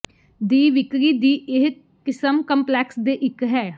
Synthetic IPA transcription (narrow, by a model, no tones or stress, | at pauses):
d̪iːʋɪkɾiːd̪iːʔɪɦ | kɪsəmkəmplɛːksd̪eːʔɪkɦɛː